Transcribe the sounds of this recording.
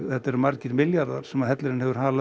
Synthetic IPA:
θɛt̪ːaɛɾmaɾcɪɾmɪljaɾða̰ɾ̥sɛmaðhɛt̪lɪɾɪnhɛvʏɾ̥haːla

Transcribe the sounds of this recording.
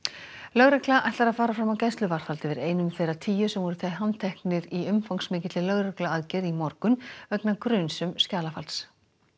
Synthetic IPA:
lœɣɾɛklaʔajht̪aɾaðfaːɾafɾamːawcajst̪lʏvar̥falt̪ɪvɪðeːjnʏmθejɾat̪ʰiːjʏsɛmvɔɾʏθajɦant̪ʰɛhknɪɾiʏmfawŋksmɪːcɪt̪lɪlœɣɾɛklʏaðcɛɾimɔɾkʏnœknakɾʏnsʏmscaːlafalt̪s

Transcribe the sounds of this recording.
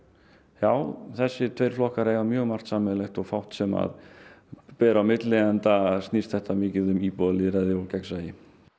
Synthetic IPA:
jaːwθɛsːɪt̪ʰvejɾ̥flɔhkaɾeːjvamjœːɣmar̥t̪saːmɛlɛxt̪ɔɣfawht̪sɛma̰ð | pɛːɾawmɪt̪lɪɛnt̪ast̪nist̪θɛht̪amɪːcɪðʏmiːpɔðlɪɾɛðɪɔlcɛksajɪ

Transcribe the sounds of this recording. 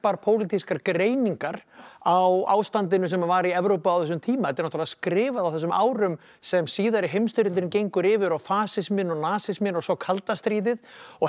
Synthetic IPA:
paɾpʰoːwlit̪ʰiskaɾkɾeːjniŋkaɾawa̰ːwst̪ant̪̬ɪnʏsɛmavaːɾiɛvɾowpaawθɛs̬ʏmt̪ʰiːmaɛt̪ɪɾnɔht̪ʰːalaðskɾɪːvaðawθɛs̬ʏma̰ːwɾʏm | sɛmsiːðaɾɪɦejmst̪ɪɾʏlt̪ɪɾɪncejŋkʏɾɪːvɪɾawfaːsɪsmɪnːɔɣnaːsɪsmɪnːɔɣsɔwkʰalt̪ast̪ɾiːðɪðɔɣ

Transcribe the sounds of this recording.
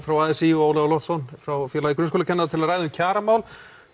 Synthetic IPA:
fɾawaːðɛsioːwlɛalɔt̪sɔnfɾawfjɛɾlaðikɾʏnskɔːlacʰɛnːaðat̪ʰɪlaðrajðʏmcʰaːɾamaːwl

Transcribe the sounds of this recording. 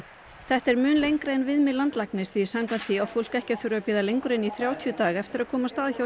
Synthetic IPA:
θɛht̪ɛɾmʏːnlejŋkɾeɛnvɪðmɪðlant̪laknɪsθi̥samkʰvant̪viawfowl̥kɛhcaθʏɾʏapɪːðalejŋkʏɾɪnːiθɾjaːwt̪ʰiʏt̪aːɣɛft̪ɪɾakʰɔːmast̪aːðçaw

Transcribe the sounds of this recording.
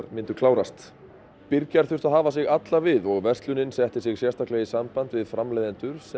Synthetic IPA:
ɾmɪnt̪ʏklaːwɾast̪ | pɪɾcaɾ̥θʏr̥t̪aðɦaːvasɪɣat̪lavɪðɔɣvɛr̥st̪lʏnɪnsɛht̪ɪsɪɣsjɛst̪ahklɛɣisampant̪vɪðfɾamlɛjðɪnt̪ʏɾ̥s

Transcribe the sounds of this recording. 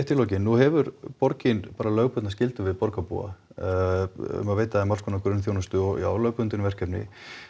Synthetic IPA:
ht̪ʰːɪlɔːcɪnːuhɛvʏɾpɔɾcɪnpaːɾalœːɣpʏt̪nascɪlt̪ʏvɪðpɔɾkapṵa̰ | ʏ̰maðveːjt̪aaɛmalskʰɔːnakɾʏnθjoːwnʏst̪ʏɔɣḭa̰wlœːɥpʏnt̪ɪnvɛr̥kcɛpnɪ̰

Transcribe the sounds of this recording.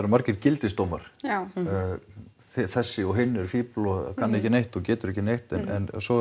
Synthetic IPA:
ɾmaɾcɪɾcɪlt̪ɪst̪owmaɾ̥ | θɪθɛsːɪɔɦɪnːɛɾ̥fiːplɔð̰kʰanːɛhcɪnejht̪ɔcɛːt̪ʏɾɛhcːɪnejht̪ɛnɛ̰nsɔ

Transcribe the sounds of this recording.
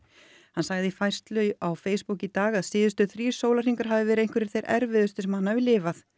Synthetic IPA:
hansaːɣðɪifajr̥st̪lʏɥawfeːjspucit̪aːɣaðsɪːðʏst̪ʏθɾiːsoːwlar̥iŋkaɾ̥ɦavðɪvɛːɾejŋkvɛɾɪɾ̥θejɾʔɛ̰ɾvɪðʏst̪ʏsɛmhanːavɪlɪːvaθ

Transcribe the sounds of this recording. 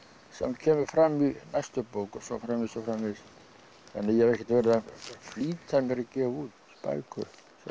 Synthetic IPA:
sɛmcʰɛːmʏɾfɾamːinajst̪ʏpoːwkɔsɔ̰fɾamːisɔfɾamːɪs | θɛ̰nːɪjɛhɛvɛhcɛ̥t̪vɛɾɪðafliːt̪ʰajmɪɾɪcɛːvuːt̪spa̰ːjkʏɾ | s

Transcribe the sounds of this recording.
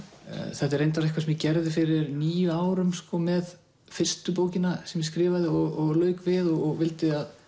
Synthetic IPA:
θɛht̪ɪɾejnt̪aɾlɪkvasɛmjɪcɛɾðɪfɪɾɪɾniːjʏaːwɾʏmskɔmɛð | fɪr̥st̪ʏp̬oːwcɪnasɛmjskɾɪːvaðɪɔɣɔɣlœːɥkvɪðɔɣɔɣvɪlt̪ɪað

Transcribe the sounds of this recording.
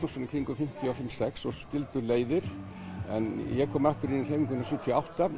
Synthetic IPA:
nɔsanɪkʰɾiŋkʏfɪm̥t̪ʰɪawfɪmsɛksɔscɪlt̪ʏleːjðɪɾ̥ | ɛ̰njɛkʰɔːmaft̪ʏɾinirheːjmɪŋkvʏnːasʏt̪ʰijawht̪a

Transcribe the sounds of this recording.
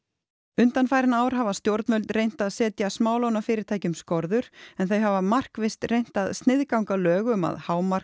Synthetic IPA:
ʏnt̪anfaːjɾɪnaːwɾ̥ɦavast̪jowɾt̪nmœlt̪rejn̥t̪aðsɛːt̪jasmaːwlownafɪːɾɪɾ̥t̪ʰaːjcʏmskɔɾðʏɾ̥ɛnθejɦavamar̥kvɪst̪rejn̥t̪aðst̪nɪðkawŋkalœːɣʏma̰ðhaːwmar̥

